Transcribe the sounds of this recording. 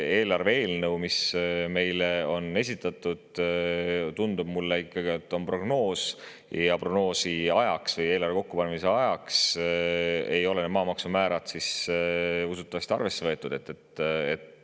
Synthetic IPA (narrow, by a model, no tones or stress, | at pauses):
e̞ːlɑrvee̞ːlnɤwmisme̞jleo̞ne̞sʲit̪ːˑɑt̪ːˑud̪̥ | t̪und̪ub̥mulːeikːɑɡ̥iet̪ːˑo̞npro̞ɡ̥no̞ːs | jɑproɡno̞ːsiɑjɑksvɤje̞ːlɑrve̞ko̞kːupɑnemise̞ɑjɑks | e̞jo̞lened̪mɑːmɑksumæːɾɑd̪̥sis | usut̪ːˑɑvɑst̪iɑ̰rve̞sːe̞vɤ̞et̪ːˑud̪̥e̞t̪ːet̪ːet̪ː